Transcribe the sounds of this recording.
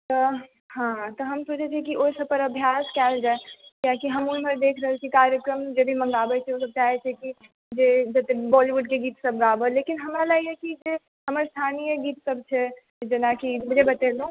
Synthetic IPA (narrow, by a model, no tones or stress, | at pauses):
t̪ɔ | ɦãt̪ɔɦəmsũt͡ʃʰɛt͡ʃʰɛkiʔoisəb̚pəɾɐbʱjaːskɛːld͡ʒaekjakiɦəmʊnpəɾd̪eːkʰɾəɦɛlt͡ʃʰikaɾjəkɾəmd͡ʒeb̪ʱimə̃ŋɡabɛt͡ʃʰɛosəb̚t͡ʃaɦɛt͡ʃʰɛki | d͡ʒed͡ʒət̪ebɔliʋuɖ̚keɡiːt̪səbɡabəleːkinɦəmɾalaɡiɦekid͡ʒe | ɦəməɾst̪ʰaːnijəɡiːt̪səbt͡ʃʰɛ | d͡ʒenakimʊd͡ʒʱebɐt̪elũ